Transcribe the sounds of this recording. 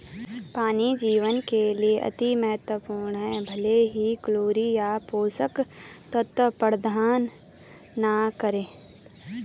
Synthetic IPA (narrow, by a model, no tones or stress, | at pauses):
paːnid͡ʒiːʋənkelieʔɐ̰t̪imɛɦət̪wəpuːɾɳɦɛːbʱɐleɦikloːɾijapoːsəkt̪ət̪ːəpəɾd̪ʱaːnː | akəɾẽː